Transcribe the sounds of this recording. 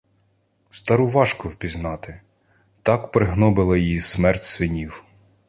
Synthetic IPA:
st̪ɐɾʊʋɑʃkɔwpʲiznɑt̪ɪ | t̪ɑkpɾɪɦnɔbɪlˠɐjijismɛrtʲsʋɪnʲiw

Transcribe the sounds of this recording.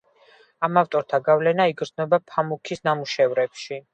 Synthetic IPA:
amaft̪ʼɔɾt̪ʰaɡavlɛnaiɡɾznɔbapʰamukʰisnamuʃɛvɾɛpʃi

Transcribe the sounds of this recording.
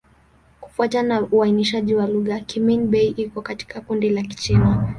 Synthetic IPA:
ku̥fuatanauainiʃaʄiwaluɣakiminɓɛiʔikɔkati̥kakundilaki̥t͡ʃɛna

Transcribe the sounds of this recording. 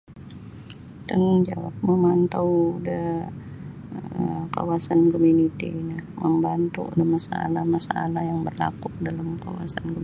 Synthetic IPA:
t̪əŋd͡ʒawa̰p̚məmant̪awdə | ka̰wasankomunit̪ḭnahməmbant̪ṵdəmasaa̰lahmasaa̰lahjaŋbərla̰kuk̚dalamka̰wa̰sanko

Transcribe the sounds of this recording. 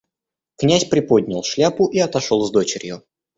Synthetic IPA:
knʲæsʲpɾʲɪpo̞d̪̚ʲnʲɪlˠʂlʲapʊʔiɐt̪ɐʂolˠzd̪o̞t͡ɕɪɾʲjʊ

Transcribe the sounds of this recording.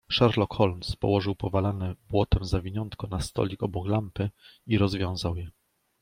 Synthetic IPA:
ʂaɾlɔkxɔlmspɔ̰wɔʐɘwpɔvalanɛbwɔt̪ɛmzavʲiɲɔnt̪kɔnast̪ɔ̰lʲikɔbɔklampɘiɾɔzvʲjɔ̃w̃zawjɛ

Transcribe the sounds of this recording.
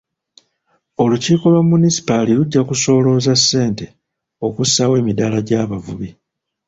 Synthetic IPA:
o̞luciːko̞lwamːunisi̥paliluɟːakuso̞ːlo̞ːzasːe̞ːnte̞ | o̞kusawe̞ːmidalaɟaːβavṵβi

